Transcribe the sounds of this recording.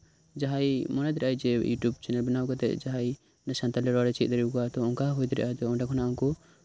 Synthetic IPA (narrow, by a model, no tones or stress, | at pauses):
d͡ʒaɦajmɔnɛd̪ɾʔajd͡ʒɛjṵʈjubt͡ʃɛnɛlbɛnawkɔt̪ɛ̰ʔd͡ʒaɦaj | nəsant̪alɛɾɔaɾɛt͡ʃit̪̚ˀd̪əɾikuat̪ɔɔŋkaɦujd̪ɛɾɛ̰ʔat̪ɔɔ̃ɖakʰɔnaʔɔŋkɔ